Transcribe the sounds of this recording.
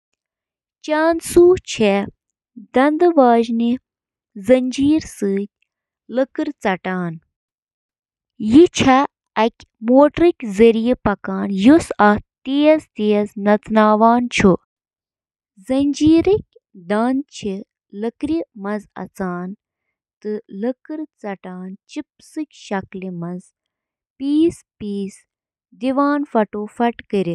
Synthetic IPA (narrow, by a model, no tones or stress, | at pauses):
t͡ʃaːnsuːt͡ʃʰe | d̪ɐnd̪ɨʋaːʒni | zɐɲʲd͡ʒiːɾsɨːt̚ʲ | ləkɨɾt͡sɐʈaːn | jit͡ʃʰɐ | ɐkʲ | moːʈɾikʲzɐɾijipɐkaːnjusɐt̪iːzt̪eːɐznɐt͡snaːʋaːnt͡ʃʰu | zɐnʲd͡ʒiːɾik̚ʲ | d̪aːnt͡ʃʰi | ləkɾimɐzɐ̰t͡saːn | t̪ɨləkɨɾt͡sɐʈaːnt͡ʃip̚sɨkʲʃɐklimɐz | piːspiːz | d̪iʋaːnfɐʈoːfɐʈkəɾi